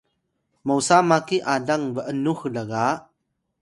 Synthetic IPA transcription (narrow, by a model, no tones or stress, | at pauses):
mowsaːmakiʔaːdɐŋbəʔənuhləɣaʔ